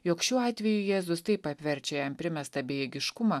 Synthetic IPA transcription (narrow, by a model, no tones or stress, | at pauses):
joːkʃʲuːɑːt̪ʲʋʲɛjʊjæːzʊst̪ɐɪpɐpʲʋʲɛɾʲt͡ʃʲɛjɛmpʲɾʲɪmʲɛst̪ɐbʲeːjɛɡʲɪʃkʊmɐː